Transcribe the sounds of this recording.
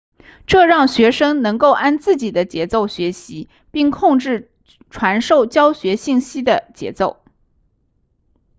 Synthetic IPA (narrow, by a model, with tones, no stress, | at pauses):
ʈ͡ʂɤ˥˧ɻɑ˥˩ŋɕɥɛ˧˥ʂɤ˥ŋnɤ˧˥ŋko˥˩˧ʊʔa˥˧nt͡sɹ̩˥˩t͡ɕi˨˩d̪ə˦t͡ɕjɛ˧˥t͡so˥˩ʊɕɥɛ˧˥ɕi˧˥ | pi˥˧ŋkʰʊ˥˧ŋʈ͡ʂɻ̩˥˩ | ʈ͡ʂʰwa˧˥nʂo˥˩ʊt͡ɕjɑ˥ʊɕɥɛ˧˥ɕi˥˩ŋɕi˥d̪ə˨t͡ɕjɛ̰˧˥t͡so˥˩ʊ